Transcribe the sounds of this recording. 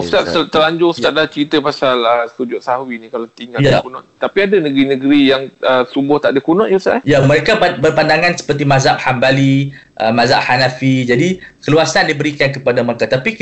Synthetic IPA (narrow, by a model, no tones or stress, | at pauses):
st̪aʔsət̪əɾaɲd͡ʒʊŋst̪aʔ̚dat͡ʃəɾit̪əpasaləsud͡ʒʊʔ̪̚sahwinĩkalat̪iŋɡaljakunɔʔ̪t̪apiadanəɡɾinəɡəɾijaŋəsubʊht̪aʔdəkunɔ̃ʔjusa̰ʔjaməɾekaabərpandaŋansə̥pərt̪̬imazaʔ̚hambali | ʔə̰mãzaʔhanafid͡ʒadikəluasandibəɾikankəpadaməɾekat̪api